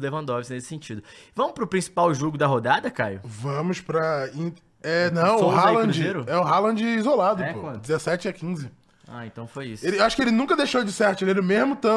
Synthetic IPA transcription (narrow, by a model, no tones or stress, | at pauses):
levɐ̃nd̪ɔvɪznesɪ̥sẽt͡ʃid̪ʊvɐ̃mʊspɾʊpɾĩsi̥pawʒoɡʊd̪ɐɦod̪ad̪ɐkajʊvɐ̃mʊspɾɐĩ | ɛnɐ̃w̃ʊhalɐ̃d͡ʒɪʒeɾʊɛʊɦalɐ̃d͡ʒɪizolad̪ʊpɛoɐ̃d͡ʒɪzesɛt͡ʃɪɐkĩzɪ | a̰ẽnt̪ɐ̃w̃fojiselɪewaʃʊ̥kɪelɪnũkɐd̪ejʃowd͡ʒɪsɛɾt̪ʊelelɪmezmʊt̪ɐ̃